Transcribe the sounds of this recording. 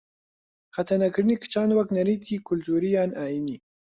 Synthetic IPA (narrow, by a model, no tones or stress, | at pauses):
xat̪aɾnakɾənikə̥t͡ʃɑːnwaknaɾit̪ikʊlt̪uɾijɑnajini